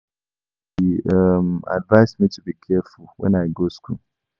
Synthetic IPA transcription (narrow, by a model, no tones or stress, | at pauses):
hiʌma̰dvaɪsmitʰubikʰɛfulˠwɛ̰̃naɪɡoskʰṵl